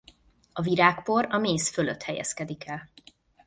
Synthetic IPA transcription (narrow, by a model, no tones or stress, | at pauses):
ɒviɾaːkpo̞ɾɒmeːsføløt̪hɛjɛ̰skɛd̪ikɛl